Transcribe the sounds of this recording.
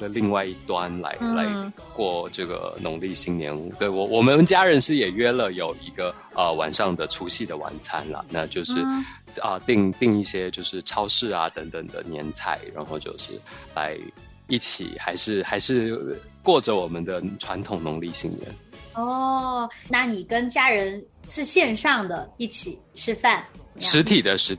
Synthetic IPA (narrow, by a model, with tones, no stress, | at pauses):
d̪ə˨li˥˧ŋwa˥˧ɪi˥˩t̪wa˥nla̰˧˥ɪla˧˥ɪ | kwɔ˥˧ʈ͡ʂɤ˥˩ɡə̰˩nʊ˧˥ŋli˥˩ɕi˥ŋnjɛ̰˧˥nu˧˩t̪we˥˩ɪwɔ˧˩wɔ˨˩mə˦nt͡ɕja˥ɻə˧˥nʂɻ̩˥˩jɛ˨˩ɥɛ˥lə˨jo˨˩ʊi˧˥ɡə˧ | ə˧wa̰˨˩nʂɑ˥˩ŋd̪ə˩ʈ͡ʂʰu˧˥ɕi˥˩d̪ə˩wa̰˨˧˩nt͡sʰa˥nlɐ̰˨na˥˧t͡ɕjo˥˧ʊʂɻ̩˥˧ | ə˧t̪i˥˧ŋt̪i˥˧ŋi˥˩ɕjɛ˥t͡ɕjo˥˧ʊʂɻ̩˥˩ʈ͡ʂʰɑ˥ʊʂɻ̩˥˩a˩t̪ə˧˥ŋt̪ə˨˩ŋd̪ə̰˩njɛ˧˥nt͡sʰa˥˩ɪɻa̰˧˥nxo˥˧ʊt͡ɕjo̰˥˧ʊʂɻ̩̰˥˩la̰˧˥ɪ | i˥˩t͡ɕʰḭ˨˩xa˧˥ɪʂɻ̩˥˩xa˧˥ɪʂɻ̩˥˧kwɔ˥˩ʈ͡ʂə˩wɔ˨˩mə˦nd̪ə˧ʈ͡ʂʰwa˧˥nt̪ʰʊ˨˩ŋnʊ˧˥ŋli˥˧ɕḭ˥˩ŋjə̰˧˥nɔ˥˩ | na˥˩ni˨˩kə˥nt͡ɕja˥ɻə˧˥n | ʂɻ̩˥˧ɕjɛ˥˧nʂɑ˥˩ŋd̪ə˩i˥˩t͡ɕʰi˨˩˦ʈ͡ʂʰɻ̩˥fa˥˩nʂɻ̩˧˥t̪ʰi˨˩d̪ə˦ʂɻ̩˧˥